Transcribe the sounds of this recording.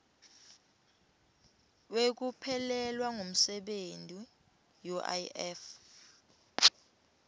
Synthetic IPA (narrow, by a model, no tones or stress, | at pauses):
wek̬upʰɛlɛlwaŋʱom̩sɛɓentʼi | jɔʔa̰jɛf